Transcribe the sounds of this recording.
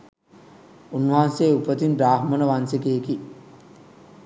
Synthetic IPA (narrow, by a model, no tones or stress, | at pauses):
unːuɦaːnseːupət̪inɾaːɦmənəʋansekeki